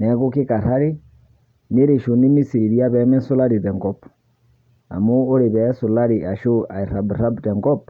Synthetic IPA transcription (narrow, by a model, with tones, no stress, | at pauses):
nɛ˨˦ɣo˦ke˦ka˨ɾa˦ɾe˦ | ne˦ɾe˨ʃo˨ne˦mi˦si˨ɾi˨ɾi˦a˦βɛ˨˦mɛ˦so˦la˦ɾi˨ðɛ˨ŋɡɔ˨p | a̰˨moː˦ɾe˨βɛ˨˦so˨la˦ɾi˨a˨ʃo˦a˨i˨ɾa˨bɾa˦btɛ˨ŋɡɔ˦p